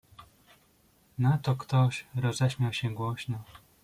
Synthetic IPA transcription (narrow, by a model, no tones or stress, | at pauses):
nat̪ɔkt̪ɔɕɾɔzɛɕmʲjawɕɛ̃ɡwɔɕnɔ